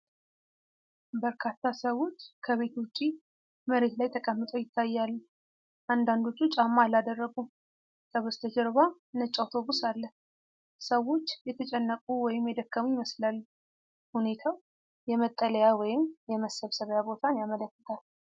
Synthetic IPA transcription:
bəɾkʰat̪ʰːasəwo̞t͡ʃːkʰəβe̞t̪wʊt͡ʃʼːi | məɾe̞t̪lajt̪ʰəkʼəmːɨt̪ʼojɪt̪ʰːajːalː | ʔand̪and̪o̞t͡ʃːut͡ʃʼamːalad̪ərːəɡu | sʼəβəst̪ʰəd͡ʒəɾβa | nət͡ʃʼːawt̪ʰo̞βusalːəh | səwo̞t͡ʃːjɛt̪ʰət͡ʃʼɛnːəkʼuwɔjɪmjɛd̪əkːəmujɪməslalː | hune̞t̪ʰaw | jɛmət̪ʼːələjawɔjɪmjɛməsəβsəβjabo̞t̪ʰanjamələkːə̥t̪ʰal

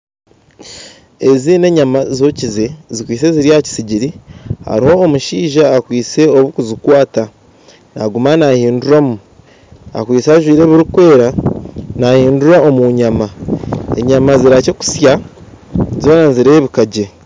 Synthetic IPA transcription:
e̞ziːne̞ɲamazo̞cize̞zikwiːt͡se̞ziɾiaci̥siɟiɾiha̰ɾiho̞ːmuʃiːʒaːkwiːt͡se̞o̞βukuzikwaːta | naɡumanahiːnduɾamu | a̰kwiːt͡saːʒwiːɾe̞ːβiɾukwe̞ːɾanahiːnduɾao̞muɲamae̞̰ɲamaziɾaceku̥sja | zoːnanziɾe̞ːβikaɟe̞

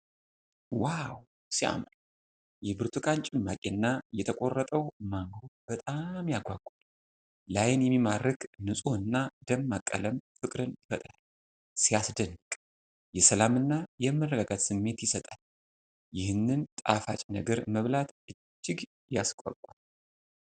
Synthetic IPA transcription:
waw | sia̰mn | jɛbɨɾt̪ʰɨkʼant͡ʃʼɪlmakʼenːajɛt̪ʰəkʷʼo̞rːət̪ʼəwmaŋɡobət̪ʼamjaɡʷaɡʷʼal | lajɪnjɛmːimarːɨknɨsʼoɨnːad̪əmːakʼːə̰ləmfɨkʼɾɨnɪfət̪ʼɾaal | sijasd̪ənːɨkʼ | jɛsəlamɨnːajɛmːərːəɡaɡat̪sɨmːe̞t̪jɪsət̪ʼal | jɪhɨnːɨnt̪ʼa̰fa̰t͡ʃʼnəɡəɾməβlat̪ʔɨ | d͡ʒt͡ʃːɪɡ | jaskʼɔ̰kʷʼal

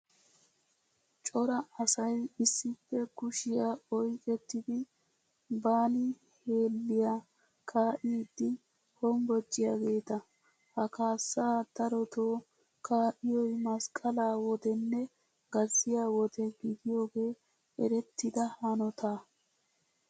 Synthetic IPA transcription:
t͡ʃʼɔɾɐɐsɐjɪsːɪfːɛkʊʃɪjaːɔjkʼɛt̪ːɪd̪ɪ | baːnɪ | he̞ːlːɪjaː | kʰaːʔɪd̪ːɪ | hɔmbɔd͡ʒːɪjaːɡe̞ːt̪ɐ | hɐkaːsːaːd̪̥ɐɾɔt̪oː | kʰaːʔɪjɔjmɐskʼɐlaːwɔd̪ɛnːɛ | ɡ̥ɐzːɪjaːwɔd̪ɛɡɪd̪ɪjo̞ːɡe̞ː | ɛ̰ɾɛt̪ːɪd̪ɐhɐnɔt̪ʰaː

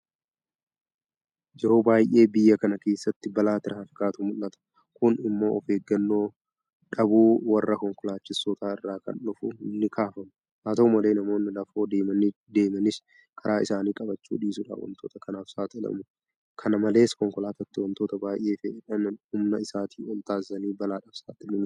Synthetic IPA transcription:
d͡ʒɛɾo̞ːbaːjʔe̞ːbɪjːɐkɐnɐke̞ːsːɐt̪ːɪbɐlaːt̪ɪɾɐhɐfɪkaːt̪ʊmʊlːɐt̪ɐ̥ | kʊnɪmːo̞ːɔfeːɡːɐnːo̞ː | ᶑɐbuːwɐrːɐkɔŋkɔlaːt͡ʃːɪsɔt̪aːɪrːaːkɐ̰nᶑʊfʊɪnːɪkʰaːfɐmʊ | haːt̪ɐʊmɐle̞ːnɐmo̞ːnːɪlɐfo̞ːd̪eːmɐnɪ | d̪e̞ːmɐnɪs | kʰɐɾʔaːɪsaːniːkʼɐbɐt͡ʃːṵːᶑiːsʊᶑa̰ːwɐ̰mt̪o̞ːt̪ɐkɐnaːfsaːt̪ɪɪlɐ̰mʊ | kʰɐnɐmɐle̞ːskɔŋkɔlaːt̪ɐt̪ːɪwɐnt̪oːt̪ɐbaːjʔe̞ːfɛɪᶑɐmhʊmnɐɪsaːt̪ʰiːɔlt̪aːzɐniːbɐlaːᶑɐfsa̰ːt̪ːɪlɪmʊ

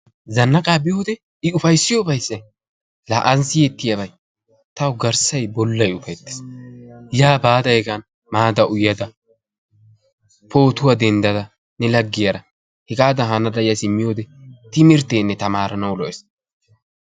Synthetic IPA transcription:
zɐnːɐkʼaːbɪjoːd̪ɛ | ɪʊfɐjsːɪjobɐjsːɐj | laːʔɐnsɪjɛt̪ːɪjɐbɐj | t̪ɐwʊɡɐɾsɐjbɔlːɐjʊfɐjt̪ːɪ̥s | jaːbaːd̪ɐjɛɡɐn | maːd̪ɐʔʊjːɐd̪ɐ | pʰo̞ːt̪ʊwad̪ɛnd̪ɐd̪ɐ | nɛlɐɡːɪjɐɾɐ | hɛɡaːd̪ɐɦɐnɐd̪ɐjɐsɪmːɪjoːd̪ɛt̪ɪmɪɾt̪eːnːɛt̪ɐmaːɾɐnɐwlɔʔɛs

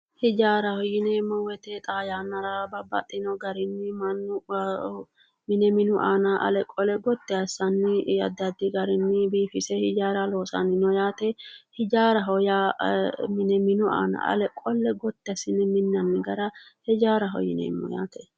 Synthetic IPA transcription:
hɪd͡ʒaːɾɐhɔjɪnemːɔwɛt̪ɛt̪ʼaːjanːɐɾabɐbɐ̰t̪ʼːɪnɔɡɐɾɪnːɪmɐnːʊ | mɪnɛmɪnʊʔa̰ːnɐʔɐ̰lɛkʼːɔlɛɡɔt̪ːɛɐsːɐnːɪɐ̰d̪ɐd̪ɪɡɐɾɪnːɪbiːfɪsɛhɪd͡ʒaːɾɐlo̞ːsɐ̰nɪnɔjaːt̪ɛhɪd͡ʒaːɾɐɦɔja | mɪnɛmɪnʊa̰ːnɐ̰ɐ̰lɛkʼːɔlːɛɡɔt̪ːɛɐsɪnɪmɪnːɐnːɪɡɐɾɐhɛd͡ʒaːɾɐɦɔ̰jɪ̰nɛ̰mːɔ̰ja̰ːt̪ɛ

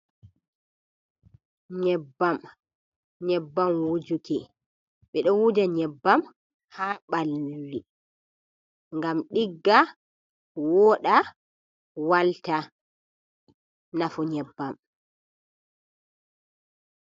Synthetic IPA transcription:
ɲɛbːam | ɲɛbːamwud͡ʒuki | ɓɛɗɔwud͡ʒaɲɛbːam | haːɓalːi | ŋɡamɗiɡːa | wɔɗa | walta | nafuɲɛbːam

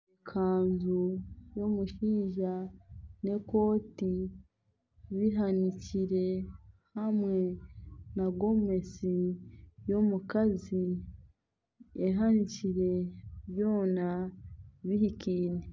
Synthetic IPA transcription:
ekʰaːnzujomuʃiːʒane̞ko̞ːti | βiɦaniciɾe̞hamŋe̞naɡo̞me̞sijo̞mukazi | eɦaniciɾe̞βjo̞ːna | βihikiːne

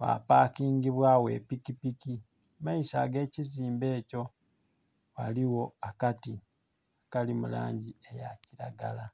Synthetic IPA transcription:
wa̰paːkiːŋɡiβwaːwe̞̰ːpikipiki | maisaːɡe̞ːciziːmbe̞ːco̞ | wa̰liwo̞akati | akalimula̰ːɲɟiejaciɾaɡala

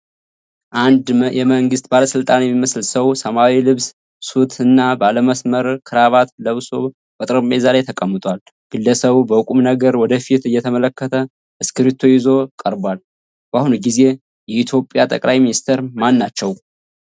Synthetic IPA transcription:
ʔand̪jɛməŋɡɨst̪baləsɨlt̪ʼanjɛmːiməslsəwsəmawilɨβs | sut̪ʰɨnːabaləməsməɾkʰɨɾaβat̪ləβso̞ | kʼət̪ʼɾəmezalajt̪ʰəkʼəmːət̪ʼwal | ɡ̥ɨlːəsəβubəkʼumnəɡəɾwɔd̪əfit̪ɨjːɛt̪ʰəmələkːət̪ʰə | ʔɨskɨɾit̪ʰojɪzo̞kʼəɾbal | b̥ahunɡize̞ | jɛit̪ʰjo̞pʼːjat̪ʼə̰kʼlajminist̪ʰeɾmanːat͡ʃːɛw

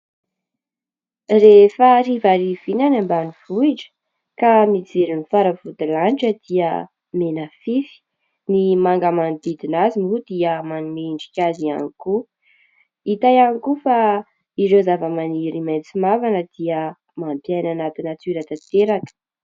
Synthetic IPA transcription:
refərivaɾiv̥inanambaniv̥uiʈ͡ʂə̥ | kanid͡zeɾinifaɾəvud̪ilanʈ͡ʂəd̪̥iə̰ | menəfifi̥ | nimaŋɡəmand̪id̪inazimud̪iəmanumeɳɖ͡ʐikʲazia̰niku | it̪ajanikufa | iɾozavəmaniɾimajt͡simavanəd̪̥iə | mampjajnanat̪inat͡s̪iɾat̪at̪eɾakə̥

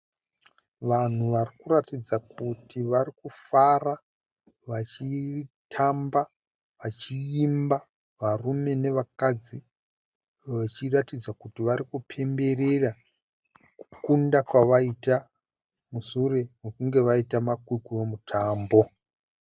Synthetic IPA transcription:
ʋan̤uʋarikuɾatid͡zakutʰiʋarikufara | ʋat͡ʃitʰamba | ʋat͡ʃiimba | ʋarume̞ne̞ʋakad͡zi | ʋat͡ʃiratid͡zakutiʋaɾikupʰe̞mbe̞re̞ra | ku̥kundakwaʋaita | musure̞mokuŋɡe̞ʋaitamakwikuemutʰaːmbo̞

